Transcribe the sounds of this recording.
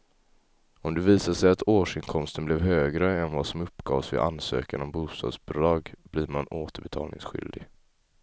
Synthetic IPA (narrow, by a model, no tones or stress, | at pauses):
ɔmd̪ɛviːsaʂɛjat̪oːʂɪnkʰɔmst̪ənblɛvɦøːɡɾəɛnvɑsɔmɵpːɡɑ̰ːvsvɪ̰ʔansø̰ːkanɔmbuːst̪ɑ̰ːd̪sbʊd̪ɾɑːɡbliːɾmanoːt̪əbɛt̪ʰɑ̰ːlnɪ̰ŋsɧʏ̰ld̪ɪɡ